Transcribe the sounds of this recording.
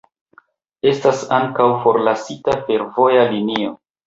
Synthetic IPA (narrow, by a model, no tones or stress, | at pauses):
e̞stasaŋkawfo̞ɾlasitafe̞ɾvo̞jalinio̰